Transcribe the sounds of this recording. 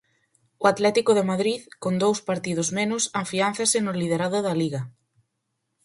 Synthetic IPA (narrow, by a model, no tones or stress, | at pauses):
oat̪lɛt̪ikoðemaðɾiðkond̪owspaɾt̪ið̞ʊzmenʊsafianθasɪnolið̞eɾaðʊðaliɣa